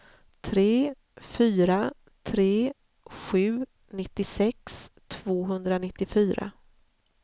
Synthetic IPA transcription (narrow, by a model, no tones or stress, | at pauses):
t̪ʰɾeː | fyːɾa | t̪ʰɾeː | ɧʉ̟ː | nɪt̪ːɪsɛkst̪ʰv̥oːɦɵnd̪ɾanɪt̪ːɪfyːɾa̰